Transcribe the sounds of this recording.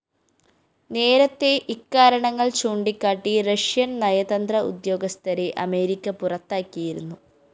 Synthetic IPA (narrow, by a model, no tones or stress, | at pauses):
ne̞ːɾɐt̪ːe̞ʔikːaːɾɐɳɐŋːɐɭt͡ɕuːɳɖikːaːʈːirɐʂjɐnnɐjɐd̪ɐnd̪rɐṵd̪jo̞ːɡɐst̪ʰɐɾeʔɐme̞ːɾikʲːɐpurɐt̪ːaːkːijiɾunːu